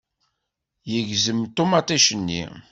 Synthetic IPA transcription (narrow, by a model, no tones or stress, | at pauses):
jəʝzəmt̪ːomɑt̪ˤiʃənːḭ